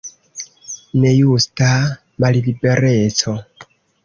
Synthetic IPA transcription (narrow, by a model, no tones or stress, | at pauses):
ne̞justa | mallibe̞ɾe̞t͡so̞